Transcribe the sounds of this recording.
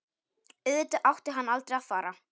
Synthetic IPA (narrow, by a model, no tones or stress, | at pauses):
ʏðt̪ʏʔawht̪ɪɦanːalt̪ɾejaðfaːɾa